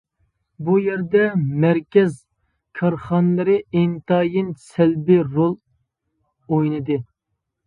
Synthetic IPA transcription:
bujɛɾd̪ɛmæɾkʲɛz | kʰɑɾχɑnlˠɨɾɨent̪ɑːjinsɛlbɪɾolˠ | ojnɨd̪ɨ

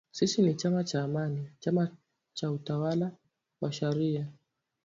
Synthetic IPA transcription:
sisinit͡ʃamat͡ʃaːmanit͡ʃama | t͡ʃautawala | waʃaɾia

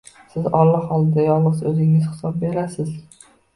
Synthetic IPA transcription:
sɪzɒlːɑɒlˠd̪ajɒlˠɨzɵzɪŋɪzχɪ̥sɒb̚beɾasɪz

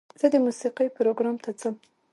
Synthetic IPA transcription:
z̥əd̪əmusiqijpɾoɡɾɑmt̪ʰat͡səm

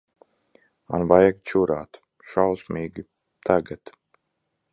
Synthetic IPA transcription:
ma̰nvajaɡt͡ʃuɾaːt̪ | ʃalsmiːɡʲi | t̪ʰaɡat̪

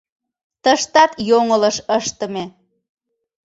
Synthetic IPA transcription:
t̪əʃt̪ɑt̪joŋələʃəʃt̪ə̆me

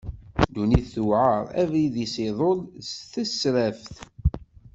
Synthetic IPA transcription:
d̪uniθθuʕəɾˤæ̰viðisɪðˤolsθæsɾæfθ

